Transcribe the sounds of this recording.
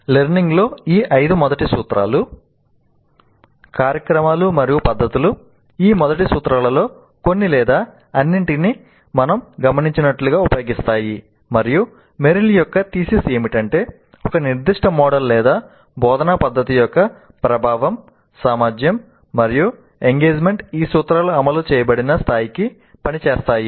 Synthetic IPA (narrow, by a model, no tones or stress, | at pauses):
leɾniŋɡlo̞ːiːʔɐjd̪umɔd̪ɐʈisuːt̪ɾʔa̰ːlu | kaːɾjɐkɾɐmaːlumɐɾijupɐd̪ːɐt̪ulu | iːmɔd̪ɐʈisuːt̪ɾaːlɐlo̞ː | konːilɛːd̪aː | ɐnːiɳʈini | mɐnɐmɡɐmɐniɲt͡ʃinɐʈluɡaːupɐjoːɡist̪aːji | mɐɾiju | meɾilijɔkːɐt̪iːsise̞ːmiʈɐɳʈe̞ː | ɔkɐniɾd̪iʂʈɐmɔːɽɐlːɛːd̪aː | bɔːd̪ɐnapɐd̪ːɐt̪ijɔkːɐ | pɾɐbʱaːʋɐm | saːmaːd͡ʒjɐmː | ɐɾiju | eŋɡeːd͡ʒme̞ɳʈiːsuːt̪ɾaːlɐɐmɐlut͡ʃɛːjɐbɐɽinɐst̪ʰaːjiki | pɐnit͡ʃɛːst̪aːji